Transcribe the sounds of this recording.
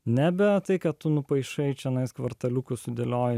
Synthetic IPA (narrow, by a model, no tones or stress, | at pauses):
nʲæbʲɛt̪ɐɪkɐt̪t̪ʊnʊpɐɪʃɐɪt͡ʃʲɛnɐɪskʋɐɾt̪ɐlʲukʊsʊd̪ʲelʲoːjɪ